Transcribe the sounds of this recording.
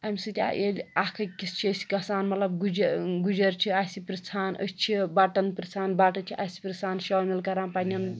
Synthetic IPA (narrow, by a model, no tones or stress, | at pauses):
ɐmʲsɨt̪ʲa̰ʔelʲakʰɐkist͡ʃʰiəsi̥kɐsaːnmɐt̪lɐb̚ɡud͡ʒɡud͡ʒɐɾt͡ʃʰiasipɾit͡sʰaːnə̰st͡ʃʰibaʈɐnpɾɐsʰaːnbaːʈɐt͡ʃʰiʔasi̥pɾɐsaːnʃɐːmelkɐɾaːnpanʲɐn